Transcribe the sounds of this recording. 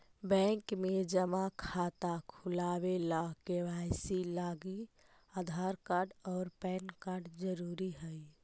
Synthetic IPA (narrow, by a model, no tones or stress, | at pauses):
bɛ̃ŋkmed͡ʒəmakʰat̪akʰulaːwelakeʋaɪsilaːɡi | ad̪ʱaɾkaːɾɖɔːɾpɛːnkaɾɖd͡ʒəɾuɾiɦəi